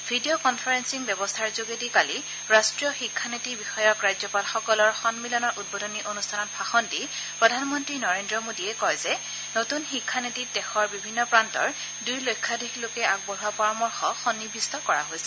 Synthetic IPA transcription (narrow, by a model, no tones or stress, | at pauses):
bʱidiokɔnpʰaɹensiŋbjɛbɔstʰaɹzoɡetikali | ɹastɹijɔxikʰːanetibixɔjɔkɹajzɔpalxɔkɔlɔɹxɔnmilɔnɔɹʔud̚bodɔniʔonustʰanɔt̚pʰaxɔnti | pɹɔdʱanmɔntɹinɔɹendɹɔmodiɛkɔjzɛ | notunxikʰːanetit̚dɛxɔɹbibʱinːɔpɹantɔ̰ɹ | dujlojkʰːadixlokɛak̚bɔɦapɔɹamɔɹxɔxɔnːibʱistɔkɔɹaɦojsɛ